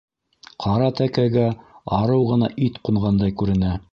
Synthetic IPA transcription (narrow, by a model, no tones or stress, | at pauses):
qʰɑɾɑt̪ækæɡæɑɾɤwʁɤ̆nɑʔit̪quɴʁɑnd̪ɑjkʉɾɘ̆næ